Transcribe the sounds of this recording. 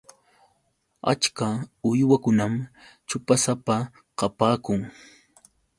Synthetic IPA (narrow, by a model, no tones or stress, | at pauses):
a̰t͡ʃkaʊjwakʊnamt͡ʃʊpasapa | qɑpaːkʊŋ